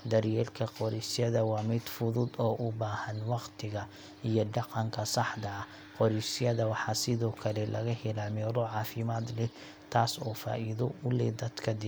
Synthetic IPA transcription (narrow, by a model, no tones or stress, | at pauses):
d̪ɐɾjɛːlkʰɐqɔɾɛjsjɐðɐwɑːmɪd̪fʊðʊd̪ɔːʔʊbaːhɐnwɑqt̪ʰɪɣɐ | ijɔɖɑqɑŋkʰɐsɑħd̪ɐ | qɔɾɛsjɐðɐwɑħɑːsɪðɔːkʰɐlɛlɐɣɐhɛlamɛːɾɔʕɑːfɪmaːd̪lɛ | t̪ʰaːsɔːfa̰ːʔiðɔʊlɛd̪ɐd̪kʰɐd̪ɪ